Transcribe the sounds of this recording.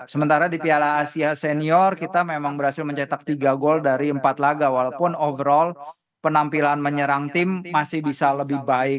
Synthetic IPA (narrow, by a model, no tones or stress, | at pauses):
səmənt̪aɾadipialaːsiaseniɔrkit̪amemaŋbəɾhasɪlməɲt͡ʃɛt̪ak̚t̪iɡaɡɔldaɾiəmpat̪laɡawalawpʊnovəɾɔl | pənampilanməɲəɾaŋt̪ɪmːasɪhbisaləbɪhbaɪk